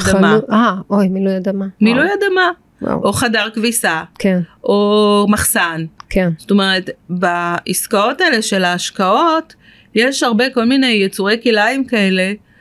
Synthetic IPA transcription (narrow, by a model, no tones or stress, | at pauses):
damaaojmilujadamamilujadama̰ | ʔo̞χadaʁkvisakʰenʔo̞maχsankensto̞me̞ʁetbaʔiskao̞taele̞ʃe̞laːʃkao̞t | jeʃhaʁbe̞ko̞lmine̞jːet͡suʁejkilaimkae̞le̞